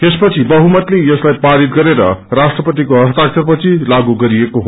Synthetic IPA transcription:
t̪espʌt͡sʰibʌɦumʌt̪lejʌslajpaɾit̪̚ɡʌɾeɾʌ̰rasʈrʌpʌt̪̬ikoɦʌst̪ak̚t͡sʌrpʌt͡sʰilaɡuɡʌɾiekoɦo

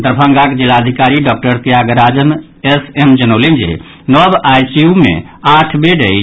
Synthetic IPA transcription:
t̪ɾəpʰə̃ŋɡakd͡ʒilaəd̪ʱikaɾiɖɔk̚ʈəɾt̪ijaɡɾad͡ʒəm | esemd͡ʒənəwlind͡ʒḛ | nɔbajsiumḛ | aʈʰbeɖəi

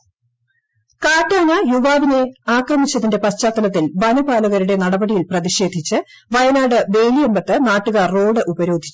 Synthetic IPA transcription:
kaːʈːaːnɐjuʋaːʋine̞aːkrɐmit͡ɕːɐðinde̞pɐɕt͡ɕaːt̪ːɐlɐt̪ːilʋɐnɐbaːlɐɣɐɾuɽe̞nɐɽɐbɐɽijilprɐðiɕe̞ːd̪ʱit͡ɕːɨ | ʋɐjɐnaːɽɨbe̞ːlijembɐt̪ːɨnaːʈːuɣarrːo̞ːɽɨʔubɐɾo̞ːd̪ʱi̥t͡ɕː

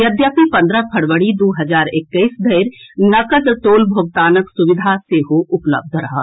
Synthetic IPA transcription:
jɐd̪jaːpipɐ̃nd̪ɾapʰɐɽʋəɽid̪oːɦɐzaːɾɪkːəisd̪ʱɐɪɾnɐkəd̪t̪oːlbʱoːɡ̚t̪aːnəksʊʋɪd̪ʱaseɦoʔʊplə̰b̚d̪ʱɾɐɦa̰

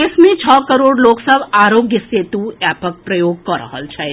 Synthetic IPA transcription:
ɪsmẽt͡ʃʰɔːkəɾoːɽloːksəbaːɾoːɡjəseːt̪uɛːpək̚pɾəjoːɡ̚kɔɾə̰ɦə̰lt͡ʃʰɛ

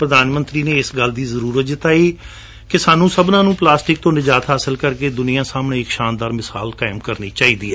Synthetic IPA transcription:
pɾəd̪aːnmə̃nt̪ɾiːneːɪsɡəld̪iːzəɾuːɾət̪̚d͡ʒɪt̪aːiː | kɪsaːnũːsəbnãːnũːplaːsʈɪk̚t̪õːnɪd͡ʒaːt̪ɦaːsəlkəɾkeːd̪ʊnĩjãːsaːmɽẽːɪkʃaːnd̪aːɾmɪsa̰ːlkaːɪmkəɾnḭːt͡ʃaːiːd̪ḭːɛː

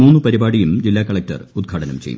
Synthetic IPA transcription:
muːnːɨpɐɾibaːɽijumd͡ʑilːaːkɐɭɐk̚tɐ̰rud̪̚ɡʰʱaːʈɐnɐmt͡ɕejṵm

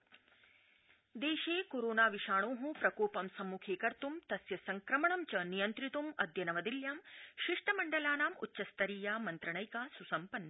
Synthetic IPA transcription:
d̪eːʃeːkoːɾoːnaːʋiʃaːɳ̃oːɦũpɾɐkoːpɐmsɐmːuːkʰeːkɐɾt̪umt̪ɐsjɐsɐŋkɾɐmɐɳɐmt͡ʃɐnijɐnt̪ɾit̪umɐd̪ʱjɐnɐʋɐd̪iljaːmʃiʂʈʰɐmɐɳɖɐlaːnaːmṵtːʃɐst̪ɐɾiːjaːmɐnt̪ɾɐɳɐjkaːsusɐmpɐnːɐ

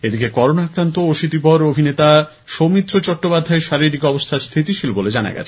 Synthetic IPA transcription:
ed̪ikekɔɾonaakɾant̪ooʃit̪ipɔɾobʱinet̪a | ʃomit̪ːɾot͡ɕɔʈːopad̪ʱːaeɾʃaɾiɾikɔbost̪ʰaɾst̪ʰit̪iʃilboled͡ʑana̰ɡɛ̰t͡ɕʰe̥

